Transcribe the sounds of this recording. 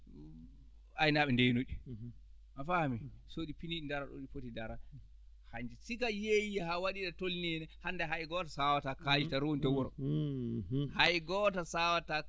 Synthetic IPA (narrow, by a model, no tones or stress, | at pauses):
ajnaɓɛndɛnoɗi | mafahmisoɗipiniɗindaɾaɗo̰ɗifotidaɾa | haɲd͡ʒɛsikajejihawaɗiɗatolnɛnɛhandɛɦajɡɔtasawatakad͡ʒitaɾontɛwɔɾɔ̰ | hajɡɔtasawata